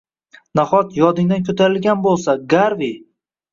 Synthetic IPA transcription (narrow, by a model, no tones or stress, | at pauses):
naχɒt̪ʰjɒd̪ɪŋd̪ankʲʰɵt̪ʰaɾɪlɡʲanbolˠsaɡaɾvi